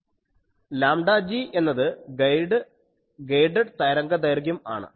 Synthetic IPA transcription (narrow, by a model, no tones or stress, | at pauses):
laːmɖaːd͡ʑiːe̞nːɐðɨjɖɨ | ɡejɖɐɖt̪ɐjɾɐŋɡɐd̪ɐjɐrɡjuma̰ːɳɨ̰